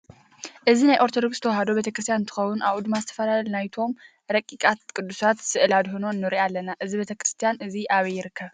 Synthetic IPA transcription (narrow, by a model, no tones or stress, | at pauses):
ʔɨzinajʔo̞ɾt̪ʰod̪okst̪ʰɐwɦad̪o̞be̞t̪ʰɐkɾɨs̬t̪ʰjanɨnt̪ʰɨ̥xɐwːʊnʔaβʔud̪mazɨt̪ʰɐ̥fɐlallnajt̪ʰo̞m | ɾɐkʼikʼat̪kʼɨd̪ːusat̪sɨʔɨlad̪ɦunoɨnːɨɾiʔalːɐnaʔɨzibet̪ʰɐkɾɨst̪ʰijanʔɨziʔaβɐjɪɾɨkʰːɐβ